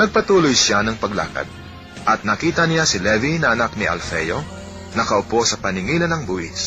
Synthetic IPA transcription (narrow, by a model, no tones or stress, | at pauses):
nɐɡ̚pɐt̪uːlojʃanɐŋpɐɡla̰ːkɐ̰d̪̚ | ʔɐt̪̚nɐkiːt̪ɐnɪlasɪlɛvinɐʔɐnak̚nɪʔɐ̰lfɛjo | nɐkɐʔʊpo̞sɐpɐnɪŋiːlɐnɐŋbuːhɪ̰s